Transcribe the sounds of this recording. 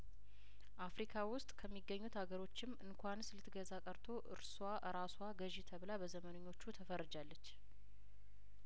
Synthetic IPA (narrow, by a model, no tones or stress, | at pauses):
ʔafɾikʰawʊst̪ʼkʰəmːiɡːəɲːut̪haɡəɾo̞t͡ʃːɪmɨŋkʰʷanslɨt̪ʰːɨɡəzakʼəɾt̪ʰo̞ʔɨ̰ɾswaʔɨɾaswaɡəʒit̪ʰəβlabəzəmənəɲːo̞t͡ʃːut̪ʰəfərːɨd͡ʒalːət͡ʃː